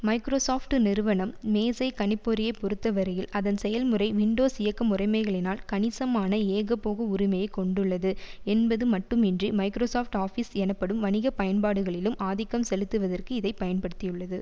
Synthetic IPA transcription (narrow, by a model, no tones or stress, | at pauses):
mɐɪkɾoːsaːfʈɯnɪɾɯʋɐnɐmːeːsɐɪkɐɳɪpːoɾɪjɐɪpːɔɾɯt̪ːɐʋɐɾɐjɪlɐðɐnsɛjɐlmɯrɐɪʋɪɳɖoːsɪjɐkːɐmʊrɐɪmɐɪɣɐɭɪnaːlkɐnɪsɐmaːnɐeːɣɐpːoːɣɐʊɾɪmɐjɐɪkɔɳɖɯɭːɐðɯɛnbɐðɯmɐʈːɯmɪndrimɐɪkɾoːsaːfʈaːfisɛnɐpːɐɽɯmʋɐnɪɣɐpɐjɐnpaːɽɯɣɐɭɪlɯmʔaːðɪkːɐmsɛlɯt̪ːɯʋɐðɐrkɯɪðɐɪpɐjɐnpɐɽɯt̪ːɪjɯɭːɐðɯ